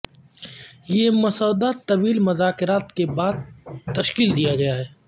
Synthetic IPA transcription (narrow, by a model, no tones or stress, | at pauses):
jemʊsaːd̪at̪ɐʋiːlmʊzaːkɪɾaːt̪kebaːd̪̚t̪ɐʃkiːld̪ijaɡɐjaɦɛː